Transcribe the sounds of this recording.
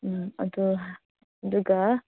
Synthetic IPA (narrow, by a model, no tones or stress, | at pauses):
ɐd̪u | d̪uɡa